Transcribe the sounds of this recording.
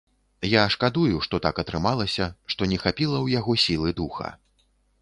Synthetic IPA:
jaʂkad̪ujuʂt̪ɔt̪akɐt̪ɾɨmalˠɐsʲɐʂt̪ɔnʲɛxapʲilˠɐwjaɣɔsʲilˠɨd̪uxɐ̰

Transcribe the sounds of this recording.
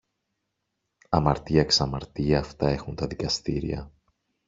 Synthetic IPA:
ɐmɐɾt̪iɐksɐmɐɾt̪iɐːft̪ɐe̞xunt̪ɐðikɐst̪iɾḭɐ̰

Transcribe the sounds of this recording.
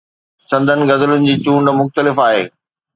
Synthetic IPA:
sɐ̃nd̪ʱənɪ̆ɡɐzəlʊnɪ̆d͡ʑiːt͡ɕuːɳmʊxt̪əlɪfaːɦḛː

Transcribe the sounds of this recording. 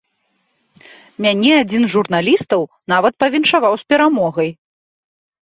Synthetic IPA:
mʲanʲɛad͡zʲinzʐurnalʲist̪ɐwnavɐt̪̚pɐvʲinʂavawspʲɛɾamɔɣɐj

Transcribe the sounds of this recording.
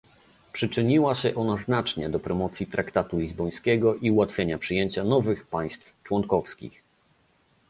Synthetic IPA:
pʂɘt͡ʂɘɲiwaɕɛʔɔnaznat͡ʂɲɛd̪ɔpɾɔmɔt̪sʲjit̪ɾakt̪at̪ulʲizbɔj̃skʲɛɡɔʔiuwat̪fʲjeɲapʂɘjeɲt͡ɕanɔvɘxpaj̃st̪ft͡ʂwɔŋkɔfskʲḭx

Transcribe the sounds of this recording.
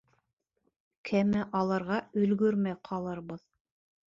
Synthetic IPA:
kʰæmæʔɑlˠɤ̆ɾʁɑɵ̆lɡɵɾmæjqʰɑlˠɤɾbɤð

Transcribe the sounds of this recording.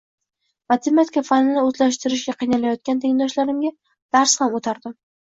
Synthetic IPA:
mat̪ʰemat̪ʰɪkafanɪnɪɵzlaʃt̪ɪɾɪʃɡʲaqʰijnalajɒt̪̚kʲant̪ʰeŋd̪ɒʃlaɾɪmɡʲa | d̪̥aɾshamot̪ʰaɾd̪ɪm

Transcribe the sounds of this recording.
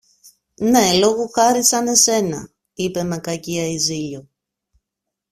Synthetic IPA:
ne̞lo̞ɣuxɐɾisɐne̞se̞nɐ̰ | ipe̞me̞kɐciɐiziʎo

